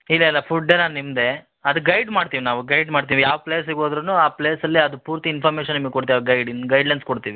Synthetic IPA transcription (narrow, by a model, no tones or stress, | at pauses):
ilːɐilːɐpʰuɖːenaːnnimd̪e̞ | ɐd̪uɡɐjɖmaːɖt̪iːʋinaːʋuɡɐjɖmaːɽt̪iʋijaːʋɐpleːsiɡoːd̪ɾɐnuːaːpleːsɐlːiɐd̪upuːɾt̪iinpʰaːɾmeːʃɐnːimɐɡekoɽt̪iaɡɐjɖinɡɐjɖlɐjnskoɽt̪iːʋi